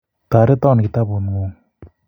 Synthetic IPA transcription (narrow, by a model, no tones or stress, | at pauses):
t̪aɾət̪aŋnək̚t̪aponŋoŋ